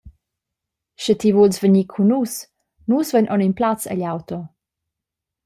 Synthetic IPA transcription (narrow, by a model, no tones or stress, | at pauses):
ʃət̪ivulsvəɲikʰunus | nusvənʔɔninplat͡sə̰ʎawt̪ɔ